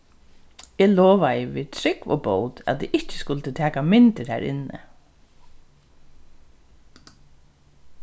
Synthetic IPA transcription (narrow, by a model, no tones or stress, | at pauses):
ɛːlɔːʋajɪʋḭːðt̪ʰɾɪkʋɔ̰ːboːwt̪æa̰t̪iɪht͡ʃɪ̥skʊlt̪ɪt̪ʰæːkamɪnt̪ɪɾæ̰ːɾɪ̰nːɪ̰